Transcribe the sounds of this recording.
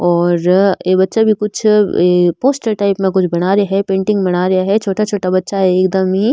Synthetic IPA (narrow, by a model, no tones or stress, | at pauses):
ɔːɾeːbɐtːʃabʱikʊt͡ʃʰepoːsʈəɾʈaːɪpmẽkʊt͡ʃʰbɐɽ̃aːɾɐaɦɛpẽːɳʈɪ̃ŋɡbɐɽ̃aːɾɐaɦɛt͡ʃʰoːʈat͡ʃʰoːʈabɐtːʃaɦɛːkd̪ɐmɦi